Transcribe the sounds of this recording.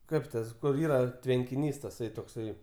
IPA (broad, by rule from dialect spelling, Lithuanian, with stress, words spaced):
ˈkɐɪp tɐs kʊr ˈiːrɐ tʲʋʲɛŋʲkʲɪˈnʲiːs tɐˈsɐɪ toːkˈsɐɪ